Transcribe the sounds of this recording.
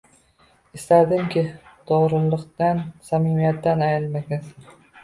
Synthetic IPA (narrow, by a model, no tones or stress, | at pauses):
ɪst̪ad̪ɪmkʲʰɪd̪̥oʁɾɨlˠːɨqt̪ansamimijat̪ːanajɪlmaɡʲaz